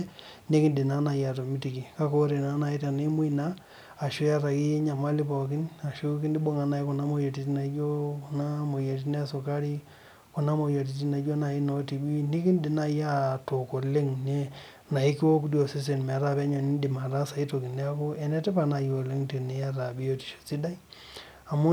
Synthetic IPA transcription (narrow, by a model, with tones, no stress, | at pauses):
ne˦kɪ˦ndɪ˨na˦na˨ja˨to˨mi˦ti˨ki˨ka˦ko˦ɾe˨na˨˦na˨i˦ta˨n˦i˦mʊ˦i˦naː˦˨ | ʃo˦ja˦ɾa˨ki˦e˦ɲa˨ma˦li˦pɔ˨k̬ɪ˦na˨ʃo˦ki˦ndi˦ɓo˦ŋa˨na˦jku˨na˦mo˦jo˨ti˨˦t̬i˦na˨˦d͡ʒo˦ku˨na˦mo˨je˨t̬i˦ne˦a˦so˨ka˦ɾi˦ | ku˨na˦mo˨jo˨t̬i˨ti˦na˨˦d͡ʒo˦na˨i˦no˨ti˨bi˦ni˦kɪ˦ndi˨na˦ja˦to˨ko˨le˦ŋne˦ | na˨i˦ki˦wo˦k̬u˦djo˨se˦s̬e˨nmɛ˨ɾa˦pɛ˦ɲɔ˨ni˦ndi˨ma˨ta˦sa˨i˦to˨ki˨ne˦a˦ko˦ɛ˨nɛ˦tɛ˦pa˨na˨jo˨le˦ŋte˨ne˦ja˦ɾa˨bi˦o˦ti̥˨ʃo̥˨si˦da˦i | a˨mʊ˦